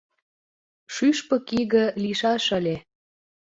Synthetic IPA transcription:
ʃyʃpɤ̆kiɣə̆liʃɑʃə̆lʲe

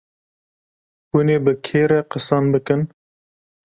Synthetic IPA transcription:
buneːbɨkʰeːɾɛqəsɑnbɨkɨn

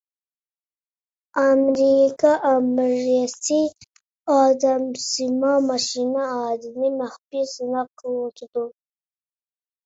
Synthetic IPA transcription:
amɾikɑʔamɾasi | ɑd̪amsimɑmaʃinaɑd̪inimaxpisnaqot̪d̪u

